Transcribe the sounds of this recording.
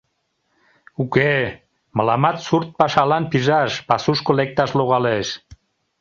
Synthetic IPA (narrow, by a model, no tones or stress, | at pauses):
uke | məlɑmɑt̪surt̪̚pɑʃɑlɑnpiʒɑʃpasuʃkolek̚t̪ɑʃloɣɑleʃ